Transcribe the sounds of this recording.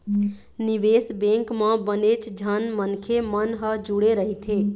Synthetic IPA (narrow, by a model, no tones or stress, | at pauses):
niʋesbẽŋkmə̃bənet͡ʃd͡ʒʱənmənkʰemənɦəd͡ʒuɽeɾəɦit̪ʰe